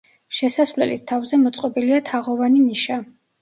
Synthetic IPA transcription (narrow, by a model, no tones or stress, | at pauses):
ʃɛsasvlɛ̰lḭst̪ʰavzɛmɔt̪sʼqʼɔbiliat̪ʰaʁɔvaniniʃa